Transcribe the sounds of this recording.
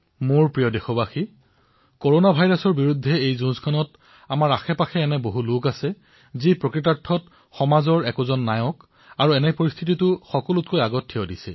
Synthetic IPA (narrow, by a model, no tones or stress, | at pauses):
moɹpɹijɔdɛxɔbaxi | koɹonabʱajɹasɔɹbiɹudʱːɛejzũzkʰanɔt | amaɹaxɛpaxʰɛːnɛboɦulʊkasɛ | zipɹokɹit̬aɹtʰːɔt | xɔmazɔɹɛkɔzɔnːajɔk | aɹuɛnɛpoɹist̪ʰititʊxɔkɔlʊtkojaɡɔtʰːɛɔdisɛ̰